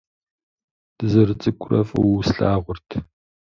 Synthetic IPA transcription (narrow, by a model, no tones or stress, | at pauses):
d̥ɨzɐrɨt͡sʼɨkʷʰʊrɐfɐ̰wsɬaːʁʷʊrtʰ